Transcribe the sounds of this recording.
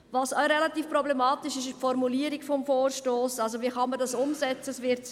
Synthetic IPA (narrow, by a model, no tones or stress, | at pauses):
vɑsaɾelɑtiːfprɔblemɑːtɪʃɪʃpfɔɾmuliːəɾɪɡfɔmfoːrʃtoːsɑlz̬oviːχɑmədɑsʊmsɛt͡səsvɪɾt